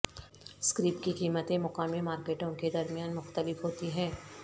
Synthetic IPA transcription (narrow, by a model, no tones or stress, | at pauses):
skɾiːpkikiːmət̪ẽmʊkaːmemaːɾkeːʈõked̪ɐɾmijaːnmʊxt̪əlɪfɦoːt̪iɦɛ̃ː